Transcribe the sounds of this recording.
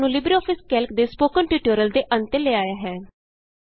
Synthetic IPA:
nũːlɪbɾiɔːpʰɪskɛːlkd̪eːspoːkənʈiːʈuɾəld̪eːʔənt̪eleaːjaːɦɛː

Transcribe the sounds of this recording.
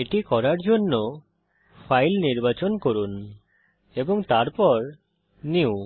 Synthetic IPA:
eʈikɔɾaɾd͡ʑonːo | fʰajlniɾbat͡ɕonkoɾun | eboŋt̪aɾpɔɾ | niw

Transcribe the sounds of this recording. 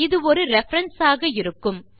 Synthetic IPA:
ɪðɯɔɾɯɾɛfɐɾɐnsaːɣɐɪɾɯkːɯm

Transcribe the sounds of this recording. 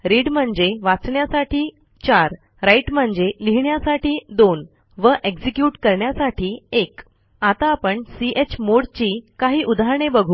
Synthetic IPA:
ɾiɽm̤əɳd͡zeʋat͡sɳjasaʈʰiː | t͡ɕaɾ | ɾaiʈm̤əɳd͡zeliɦɳjasaʈiːd̪on | ʋəʔeɡd͡ʑikjuːʈkəɾɳjasaʈʰiːek | at̪aːpəɳsiʔet͡ɕmoɽt͡ɕiːkaɦiːʔud̪ʱaɦɾɳebəɡʱuː

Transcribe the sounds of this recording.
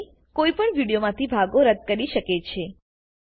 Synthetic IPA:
koipəɳʋiɽijomãt̪ʰibʱaɡoɾəd̪̚kəɾiʃəket͡ʃʰe

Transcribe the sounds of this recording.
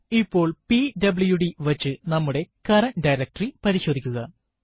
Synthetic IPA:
ipːo̞ːɭpiɖɐbɭujuɽiʋɐt͡ɕːɨnɐmːuɽe̞kɐɾɐnɖɐjɾɐk̚ʈripɐɾiɕo̞ːd̪ʱikʲːuɣɐ

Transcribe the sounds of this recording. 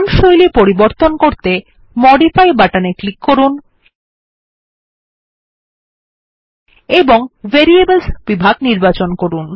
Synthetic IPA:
nʃojlipoɾiboɾt̪onkoɾt̪e | mɔɖifajbaʈaneklikːoɾun | eboŋveɾiebelsb̥ibʱaɡ̚niɾbat͡ɕonkoɾun

